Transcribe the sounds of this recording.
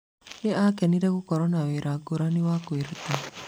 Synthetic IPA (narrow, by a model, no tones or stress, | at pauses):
niakɛniɾekukɔɾɔnawiɾaɡuɾaniwakuiɾt̪i